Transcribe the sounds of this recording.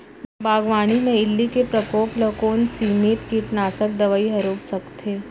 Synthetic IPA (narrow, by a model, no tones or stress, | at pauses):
baːɡʋaːɽ̃ineɪlːikepɾəkoːpləkoːnsimeːt̪kiʈnaːsək̚d̪əʋaiɦɐɾoːbsəkt̪ʰe